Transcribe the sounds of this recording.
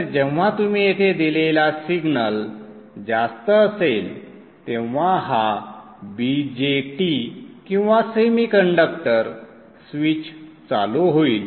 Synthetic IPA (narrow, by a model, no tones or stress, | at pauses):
əɾd͡ʑeʋ̤at̪um̤iːjet̪ʰed̪ilelasiɡnəl | d͡ʑast̪əːsel | t̪ẽʋʋ̤aɦa | bid͡ʑeʈikĩw̃ʋasemiːkəɳɖək̚ʈəɾ | sʋit͡ɕ | t͡sa̰loɦoiːl